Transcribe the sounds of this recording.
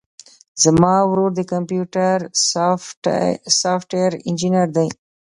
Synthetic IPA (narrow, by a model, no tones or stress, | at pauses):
zəmɑːwɾoɾd̪əkɐmpjuʈaɾ | saːfʈwejɾɪnd͡ʒinjaɾd̪aj